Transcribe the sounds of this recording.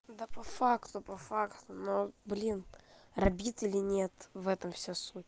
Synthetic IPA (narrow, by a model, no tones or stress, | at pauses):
d̪əpɐfakt̪ʊpɐfakt̪ʊnoblʲinrɐbʲit̪ʲɪlʲɪnʲet̪vɛt̪əmfsʲosut̚ʲ